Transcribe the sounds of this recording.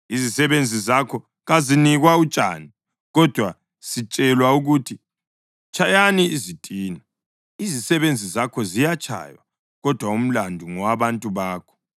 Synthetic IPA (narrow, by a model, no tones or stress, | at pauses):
izisɛβend͡zʱizakʰɔ | ɣaziniɣwaut͡ʃʼa̰ːni | ɣɔd̥ʱwa | sit͡ʃʼɛlwauɣutʰi | t͡ʃʰajaniːzitʼiːna | izisɛβend͡zʱizakʰɔzijat͡ʃʰʼa̰jwa̰ | ɣɔd̥ʱwaum̩landʱuŋɔaβantʼuβaːkʰɔ̥